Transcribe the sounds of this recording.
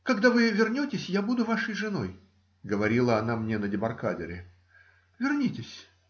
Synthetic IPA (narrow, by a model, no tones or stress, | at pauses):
kɐɡd̪avɨvʲɪrnʲotʲɪsʲjabud̪ʊvaʂəjʐɨno̞j | ɡəvɐɾʲilˠəɐnamnʲenədʲɪbɐrkadʲɪ̰ɾʲɪ | vʲɪrnʲitʲɪsʲ